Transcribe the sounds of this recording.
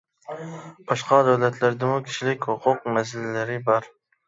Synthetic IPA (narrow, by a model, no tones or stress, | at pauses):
b̥ɑʃqʰɑd̪awlæt̪læɾd̪ɪmʊkʲʰi̥ʃlɪkʲhʊqʰʊq̚mæs̬ɪllæɾɪbɑɾ